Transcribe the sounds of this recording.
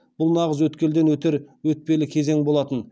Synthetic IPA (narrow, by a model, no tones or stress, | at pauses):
b̥ʊlˠnɑʁəzwɵt̪kʲe̞ld̪e̞nwɵt̪e̞ɾwɵt̪̚pe̞lɪkʲʰe̞ze̞ŋbo̞lˠɑt̪ən